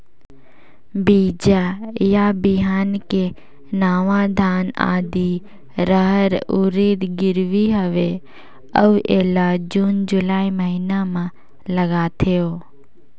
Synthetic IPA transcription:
biːd͡ʒajabiɦaːnke | naːʋãd̪ʱaːna̰ːd̪i | ɾəɦəɾuɾiːd̪ɡɪɾʋiɦəʋe | əuʔeːlad͡ʒuːnd͡ʒʊlaːiməɦiːnamã | ləɡat̪ʰijoː

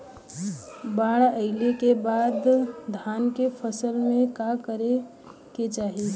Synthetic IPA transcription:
baɽəɪlekebad̪d̪ʱankepʰəsəlmẽkakəɾe | ket͡ʃaːɦi

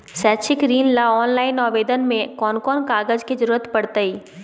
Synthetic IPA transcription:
sɛːt͡ʃʰɪkɾiːnlaɔːnlaːɪnɔːʋeːd̪ənmẽkɔːnkɔːnkaːɡəd͡ʒkid͡ʒəɾuːɾət̪pɐɽt̪əiː

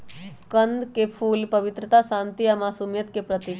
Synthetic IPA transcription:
kənd̪ʱkepʰuːlpɐʋɪt̪ɾət̪asãːnt̪iamaːsuːmjət̪kepɾət̪i

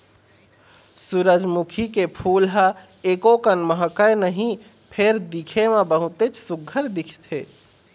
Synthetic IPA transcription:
suɾəd͡ʒmukʰikepʰuːlɦa | eːkokənməɦəkənəɦĩ | pʰeɾd̪ikʰemãbəɦʊt̪et͡ʃsʊɡʱəɾd̪ɪkʰt̪ʰeː

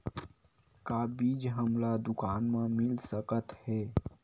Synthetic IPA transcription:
kabiːd͡ʒɦəmlad̪ʊkaːnmẽmɪlsəkət̪hɛː

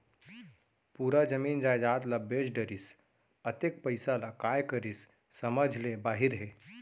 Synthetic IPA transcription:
puːɾad͡ʒəmiːnd͡ʒaːjd͡ʒaːt̪labed͡ʒɖəɾis | ət̪ek̚pəɪsalakaːjkəɾisː | əməd͡ʒʱlebaːɦiɾɦe

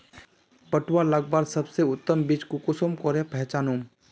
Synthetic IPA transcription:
pəʈwaləɡbaːɾsɐbseʊt̪ːəmbit͡ʃkukʊsomkɔɾẽpɛɦt͡ʃaːnuːm

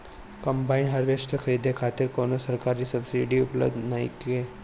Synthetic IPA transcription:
kəmbainɦəɾʋesʈəkʰəɾid̪ʱekʰat̪iːɾkonosəɾkaɾiːsəbsiɖiːuplə̰bd̪najke

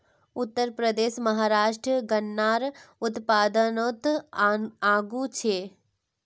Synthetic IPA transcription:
ʊt̪ːəɾpɾəd̪eːʃmɐɦaːɾaːʃʈɾəɡənːaːɾʊt̪paːd̪ənot̪ | aːɡut͡ʃʰeː

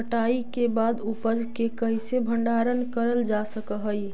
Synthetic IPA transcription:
əʈaikebaːd̪upəd͡ʒkekəɦisebʱəɳɖaːɾənkəɾəld͡ʒasəkəɦəi

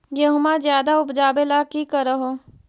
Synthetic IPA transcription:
jɐɦʊmazjaːd̪aʊpd͡ʒaːbelakikɐɾɐɦoː

